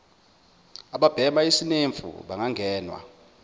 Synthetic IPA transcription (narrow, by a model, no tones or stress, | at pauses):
aɓab̥ʱɛmaisineɱfṵɓaŋaŋʱɛːnwa̰